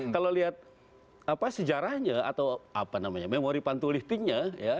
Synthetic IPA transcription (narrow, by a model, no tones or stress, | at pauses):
kaloliat̪̚ | apasəd͡ʒaɾahɲaa̰t̪awapanamaɲamemoɾipant̪uliht̪ɪŋɲaja